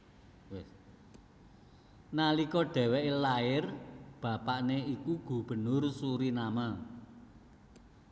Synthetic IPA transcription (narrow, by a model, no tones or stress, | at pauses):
wɪ | nalikɔɖ̥ɛ̤wɛʔlaɪrb̥a̤paʔneikuɡ̥ṳb̥ə̤nʊrsuɾinama